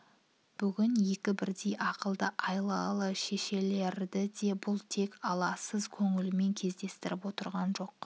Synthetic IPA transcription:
b̥ʏɡʲɪnje̞kʲɪbɪɾd̪e̞jʔɑqəlˠd̪əʔɑjlˠɑlˠəʃe̞ʃe̞le̞ɾd̪ɪd̪e̞bʊlˠt̪ʰe̞kɑlˠɑsəzkʲʰɵŋɪlɪme̞ŋkʲʰe̞zd̪e̞st̪ɪɾɪpwo̞t̪əɾʁɑnʒo̞q

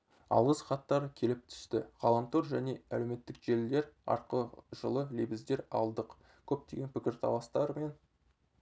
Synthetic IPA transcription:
ɑ̰lˠʁəsχɑt̪ːɑɾəkʲʰe̞lɪp̚t̪ʰʏ̥st̪ɪʁ̥ɑlˠɑmt̪ʰoɾʒæne̞ælewme̞t̪ːɪkʒe̞ld̪e̞ɾɑ̰ɾqəʒəlˠəlebɪzd̪e̞ɾɑ̰lˠd̪əq | kʲʰɵp̚t̪e̞ɡʲe̞npʰɪkʲɪɾt̪ʰɑ̰w̪ˠɑst̪ɑɾme̞n

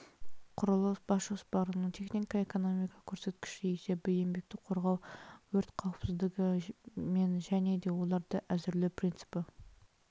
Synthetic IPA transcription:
qʰʊɾəlˠəb̥ɑsʒospɑɾənəɴt̪ʰe̞χnikɑe̞ko̞no̞mijkɑ̥kʲʰɵɾse̞t̪kʲɪ̥ʃɪise̞bɪjembe̞k̚t̪ɪqʰo̞ɾʁɑwwɵɾt̪qʰɑwəpsɪzd̪ɪɡʲɪme̞nʒæne̞d̪e̞wo̞lˠɑɾd̪əʔæzɪɾlɪpʰrʲint̪sɨ̥pɪ

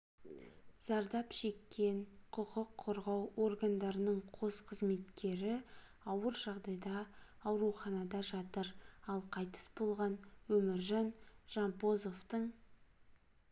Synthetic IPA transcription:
z̥ɑɾd̪ɑpʃe̞kʲːe̞ɴqʰʊqəqʰːoɾʁɑwo̞rɡand̪ɑɾənəɴqʰo̞sqʰəzme̞t̪kʲe̞ɾɪ | ɑwəɾʒɑʁd̪ɑjd̪ɑː | wɾuχɑnɑd̪ɑʒɑt̪əɾɑlˠqʰɑjt̪ə̥sbo̞lˠʁɑnwɵmɪɾʒɑnʒ̥ɑmpo̞zo̞ft̪əɴ

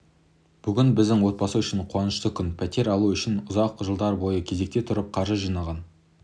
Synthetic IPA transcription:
b̥ʏɡʲɪnbɪzd̪ɪŋwo̞t̪̚bɑsəʏʃɪɴqʰwɑnəʃt̪əkʲʰʏnpʰæt̪e̞ɾɑlˠuʏʃɪnʊzɑqʊʒəlˠd̪ɑɾbo̞jəkʲʰe̞ze̞k̚t̪e̞t̪ʰʊɾəp̚qʰɑɾʒəʒijnɑʁɑn

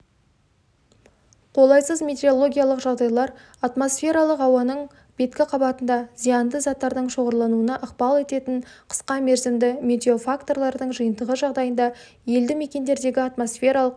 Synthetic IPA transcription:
qʰo̞lˠɑjsəzme̞t̪e̞o̞lˠo̞ɡʲijalˠəqʒɑʁd̪ɑjlˠɑɾ | at̪mo̞sfʲe̞ɾɑlˠəqɑwɑnəɴ | b̥e̞t̪kʲɪqʰɑbɑt̪ənd̪ɑzijɑnd̪əzɑt̪ːɑɾd̪əɴʃo̞ʁəɾlˠɑnuənɑʔəqpɑlˠe̞t̪e̞t̪ɪɴqʰə̥sqɑme̞ɾzɪmd̪ɪmet̪ʲe̞o̞fakt̪o̞rlˠɑɾd̪əɴʒɨjənd̪əʁəʒɑʁd̪ɑjənd̪ɑ | je̞ld̪ɪme̞kʲe̞nd̪e̞ɾd̪e̞ɡʲɪat̪mo̞sfʲe̞ɾalˠəq

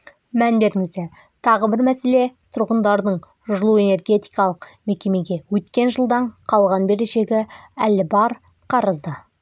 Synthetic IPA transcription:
mænbe̞ɾɪŋɪzd̪e̞ | t̪ʰɑʁəbɪɾmæse̞le̞t̪ʰʊɾʁənd̪ɑɾd̪əɴ | ʒʊlˠue̞ne̞rɡʲe̞t̪i̥jkɑlˠəqme̞kʲe̞me̞ɡʲe̞wɵt̪kʲe̞nʒəlˠd̪ɑɴqʰɑlˠʁɑnbe̞ɾeʒe̞ɡʲɪælːɪbɑɾ | qʰɑɾəzd̪ə

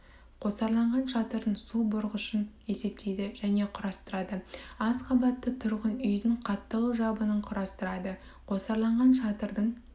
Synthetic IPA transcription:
qʰo̞sɑɾlˠɑɴʁɑnʃɑt̪əɾəɴsubʊɾʁʊʃən | e̞se̞p̚t̪ʰe̞jd̪ɪʒæne̞qʰʊɾɑst̪əɾɑd̪əɑzqʰɑbɑt̪ːət̪ʰʊɾʁənʏjd̪ɪɴqʰɑt̪ːələʒɑbənəɴqʰʊɾɑst̪əɾɑd̪ə | qʰo̞sɑɾlˠɑɴʁɑnʃɑt̪əɾd̪əɴ

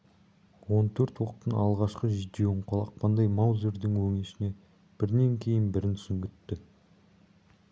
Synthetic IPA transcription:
wo̞nt̪ʰɵɾt̪wo̞qt̪ənɑlˠʁɑʃqəʒɪd̪ewɪɴqʰolˠɑq̚pɑnd̪ɑjmɑwzeɾd̪ɪŋwɵŋeʃɪne̞ | b̥ɪɾne̞ŋkʲʰe̞jɪnbɪɾɪnt̪sɪmɡʲɪt̪ːɪ

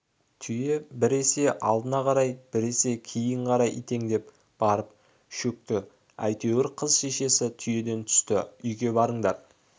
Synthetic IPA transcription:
t̪ʰʏjebɪɾe̞se̞ʔɑlˠd̪ənɑqʰɑɾɑjb̥ɪɾe̞se̞kʲʰijɪɴqʰɑɾɑjʔḭt̪e̞ŋd̪e̞p̚ | b̥ɑɾəp̚ | ʃɵk̚t̪ɪ | æ̰jt̪e̞wɪɾqʰəzʃe̞ʃe̞sɪt̪ʰʏje̞d̪e̞nt̪ʰʏ̥st̪ɪʏjɡʲe̞bɑɾəɴd̪ɑɾ

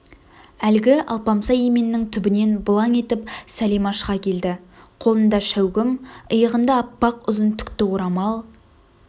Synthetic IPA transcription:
ælɡʲɪʔɑ̰lˠpɑmsɑjeme̞nɪːɪŋt̪ʰʏbɪne̞nbʊlˠɑŋe̞t̪ɪpsælimɑʃqɑkʲʰe̞ld̪ɪqʰo̞lˠənd̪ɑʃæwɡʲɪməjəʁənd̪ɑːpːɑqʊzənt̪ʰʏ̥kt̪ɪwoɾɑmɑlˠ

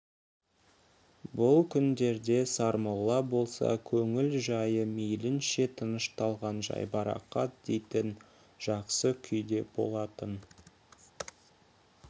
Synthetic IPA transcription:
bʊlˠkʲʰʏnd̪e̞ɾd̪e̞sɑɾməlˠːɑbo̞lˠsɑ̰kʲʰɵŋɪlʒɑjəmejlɪnʃe̞t̪ʰənəʃt̪ɑlˠʁɑnʒɑ̰jbɑɾɑ̰qːɑt̪̚d̪̥e̞jt̪ɪn | ʒ̥ɑqsəkʲʰʏjd̪e̞b̥o̞̰lˠɑt̪ən

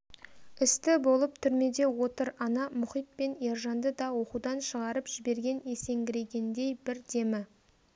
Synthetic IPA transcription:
ɪst̪ɪbo̞lˠəp̚t̪ʰʏɾme̞d̪e̞wo̞t̪əɾɑnɑmʊχijt̪̚pe̞ne̞ɾʒɑnd̪əd̪ɑwo̞qud̪ɑnʃəʁɑɾəpʒ̥ɪbe̞ɾɡʲe̞ne̞se̞ŋɡʲɪɾe̞ɡʲe̞nd̪e̞jbɪɾd̪e̞mɪ

